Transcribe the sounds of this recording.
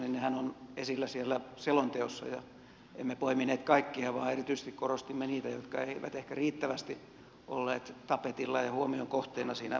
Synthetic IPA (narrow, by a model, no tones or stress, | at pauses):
ninnehænonesilːæsielːæselont̪eosːɑ̰jɑ | emːepoimineːt̪kɑikːiɑʋɑ̰ːerit̪yise̥st̪ikkorost̪imːeniːt̪æjot̪kɑeiʋæ̰t̪ehkæriːt̪ːæʋæst̪i | ʔo̰lːeːt̪t̪ɑpet̪ilːɑjɑhuomioŋkoht̪eːnɑsiːnæ̰